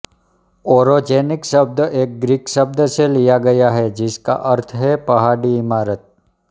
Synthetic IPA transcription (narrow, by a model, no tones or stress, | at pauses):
oːɾod͡ʒeːnɪkʃɐb̚d̪eːk̚ɡɾiːkʃɐb̚d̪selijaɡɐjaɦɛd͡ʒɪska̰ʔɐɾt̪ʰɦɛpɐɦaːɽiɪmaːɾət̪̚